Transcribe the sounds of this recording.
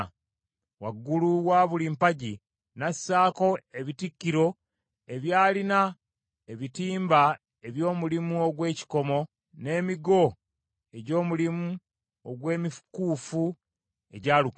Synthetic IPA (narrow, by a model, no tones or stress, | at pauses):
waɡːuluwaːβulimpaɟi | nasːaːko̞eβitikːiɾo̞ | e̞βjaːlina | e̞βitiːmba | eβjo̞ːmulimuoɡwe̞ːci̥ko̞mo̞ | ne̞ːmiɡo̞ | e̞ɟo̞ːmulimu | oɡwe̞ːmifkuːfu | e̞ɟaːluk